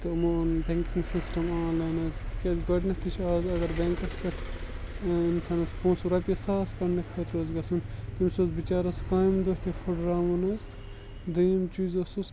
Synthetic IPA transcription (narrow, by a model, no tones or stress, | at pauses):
t̪ɨmonb̪eŋkiŋsisʈɐmãːlɐnɐzt̪kʲɐɡɐʈnɐt̪it͡ʃʰaːzɐɡɐɾbɛŋkɐskɐʈʰ | insɐnɐspõːsuɾɐpʲjɐsaːskɐnnɐkʰɐt̪ɾoːzɡɐsunt̪imsozbit͡ʃaːɾɐskaːjmd̪oɦt̪efʰuɖɾaːmɐnɐs | d̪ɐjɐmt͡ʃuːzɐsus